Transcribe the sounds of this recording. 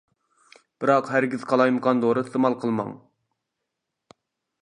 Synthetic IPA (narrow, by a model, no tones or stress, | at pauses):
b̥ɨɾɑqɦæɾɡʲið̥qʰɑlˠɑjmɨqɑnd̪oɾɨst̪ʰɨmɑlˠqʰəlˠmɑ̰ŋ